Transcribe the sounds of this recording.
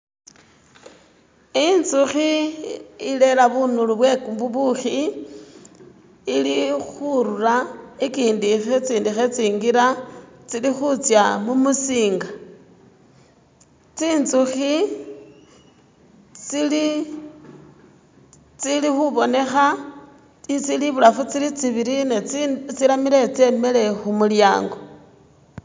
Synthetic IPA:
int͡suxi | ile̞laβunuluβwekubuβuxi | ilixuɾuɾaikiːndixet͡siːndixet͡siːŋɡiɾat͡silixut͡sjamumusiːŋɡa | t͡siːnt͡suxi | t͡sili | t͡silixuβo̞ne̞xa | it͡siliβulafut͡silit͡siβiɾinet͡silamile̞t͡semele̞xumuljaːŋɡo̞

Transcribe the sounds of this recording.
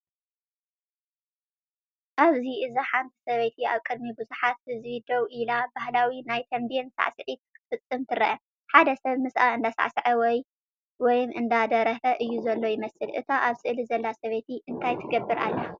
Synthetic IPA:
ʔaβziʔɨzaħant̪ʰi̥sɐβejt̪ʰia̰βkʼɨd̪mibɨzuħat̪̚hɨzβid̪owʔilabahlawinajt̪ʰɐmbensa̰ʕsɨʕit̪ʰɨ̥kɨ̥fɨt͡sʼːɨmt̪ʰɨɾɐʔɐ | ħad̪ɐsɐβmɨsʔaɨnd̪asa̰ʕsɨʕɐwɔj | wɔjmʔɨnd̪ad̪ɐɾɐfɐʔɨjːuzɐlːo̞jɪmɐsɨlʔɨ̰t̪ʰaʔaβsɨʔlizɐlːasɐβɐt̪ʰiʔɨnt̪ʰajt̪ʰɨɡɐbːɨɾʔa̰lːɐ

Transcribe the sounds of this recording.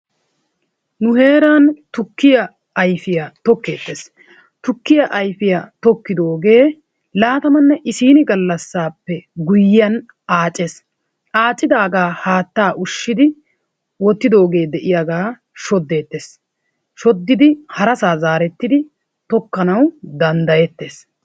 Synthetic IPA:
nʊhe̞ːɾaːnt̪ʊkːɪjɐ | ɐjfɪjat̪ɔkːe̞ːt̪ːe̞ːs | t̪ʊkːɪjɐʔɐjfɪjaːt̪ɔkːɪd̪o̞ːɡe̞ː | laːt̪ɐmɐnːɛʔɪsiːnɪɡɐlːɐsːaːpːɛɡʊjːɪːɐn | aːt͡ʃʼːeːs | ʔaːt͡ʃʼːɪd̪aːɡaːhaːt̪ːaːʔʊʃːɪd̪ɪ | wɔt̪ːɪd̪o̞ːɡe̞ːd̪ɛʔɪjaɡaː | ʃɔd̪ːe̞ːt̪ːeːs | ʃɔd̪ːɪd̪ɪhɐɾɐsaːzaːɾɛt̪ːɪd̪ɪ | t̪ɔkːɐnɐwd̪ɐnd̪ɐjɛt̪ːeːs

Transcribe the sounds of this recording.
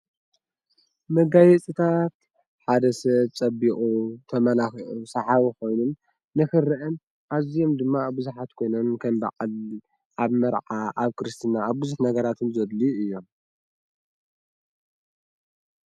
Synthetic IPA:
mɐɡajɛt͡sʼɨt̪ʰat̪ | ħad̪ɐsɐβt͡sʼɐbiʔʼut̪ʰɐmɐlausɐħaβiko̞jnunː | ɨxɨrɨʔɨn | ʔaβzijo̞md̪ɨmːabɨzuħat̪kʰo̞jnɐnkʰɐmba̰qʼɨl | ʔaβmɐɾʕaʔaβkɨɾɨst̪ɨnaːβbɨzuħnɐɡɐɾat̪ʰɨnzɐd̪liɨjːo̞m

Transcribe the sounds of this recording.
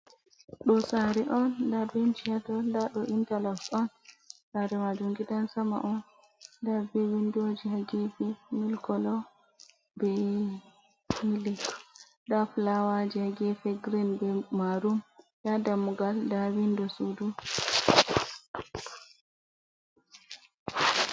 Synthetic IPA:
ɗɔsaɾɛʔɔndabent͡ʃiadɔndaɗɔʔintalasɔn | saɾɛmad͡ʒuŋɡidansama̰ʔɔn | dabɛwindod͡ʒihaɡɛfɛmilkɔlɔ | bɛ | ilik | ɗaflawad͡ʒihaɡɛfɛɡɾinbɛmaɾum | jadamuɡaldawindɔsudu

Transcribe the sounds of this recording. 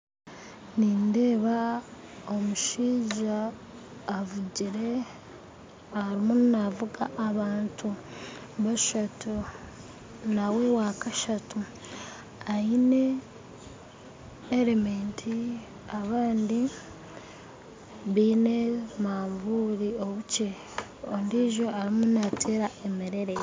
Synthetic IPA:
niːnde̞ːβa | omuʃiːʒaː | vuɟiɾe̞ | aaɾimunnavuɡaʔːβaːntʰu | βaʃatʰu | nawe̞waːkaʃatu | aine̞ | eɾemeːntʰi | aβaːndi | βiːne̞maːɱvuːɾio̞βuce | ondiʒo̞aɾimunatʰeɾaʔe̞meɾe̞ɾe

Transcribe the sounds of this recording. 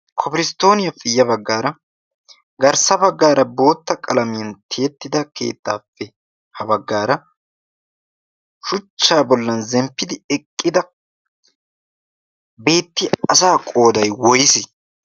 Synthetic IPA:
kʰɔpɪɾɪst̪o̞ːnɪjɐfɪjːɐbɐɡːaːɾɐ | ɡɐɾsɐbɐɡːaːɾɐbo̞ːt̪ːɐkʼɐlɐmɪjɐnt̪ʰe̞ːt̪ːɪd̪ɐke̞̰ːt̪ːaːfːɛ | hɐbɐɡːaːɾɐ | ʃʊt͡ʃːaːbɔlːɐnzɛmpːɪd̪ɪɛkʼːɪd̪ɐ | be̞ːt̪ːɪɐsaːkʼo̞ːd̪ɐjwɔjɪsɪ

